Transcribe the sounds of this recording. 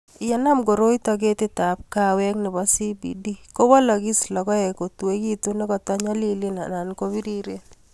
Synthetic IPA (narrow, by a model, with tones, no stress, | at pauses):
ɪ˨ja˦na˦mɡo˨ɾo˦i˦tɔ˨ɡ̬e˦tɪ˦ta˨p̚ka˦wɛ˦knɪ˨bɔ˦si˦bḭ˨di˦ko˦wa˦lɔ˨ɡi˦slɔ˨kɔ˦ɛ˨ko˨tu˨e˦ki˦t̪u˦ne˦kɔ˨tɔ˦ɲa˦li˦li˦na̰˨na˨nko˦βi˦ɾi˦ɾe˦n